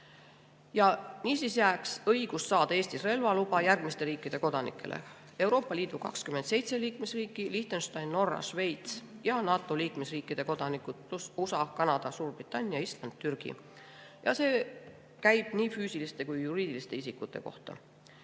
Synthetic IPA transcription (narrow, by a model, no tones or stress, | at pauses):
jɑniːsisjæːksɤjɡ̥usːɑːd̪̥ɑe̞ːst̪isre̞lvɑlub̥ɑjærɡ̥mist̪e̞ɾiːkːˑid̪̥e̞ko̞d̪̥ɑnḭkːˑe̞̰lʔḛ | e̞wɾo̞ːpːˑɑliːd̪ukɑ̰kskymed̪̥se̞jt̪se̞liːkmesriːkˑːiliht̪enst̪ɑjnːo̞rːɑ̰ʃve̞jt̪sjɑnɑːt̪ːˑo̞liːkmesriːkːid̪̥e̞ko̞d̪̥ɑnikːud̪̥̚plususɑkɑnɑd̪̥ɑsuːrb̥rit̪ːˑɑnʲːijɑist̪lɑnd̪̥̚t̪yrɡ̥ḭ | jɑ̰se̞ː | kæjb̥niːfyːsilist̪e̞kujːuɾiːd̪̥ilist̪e̞isikːˑut̪ːe̞̰ko̞̰ht̪ɑ̰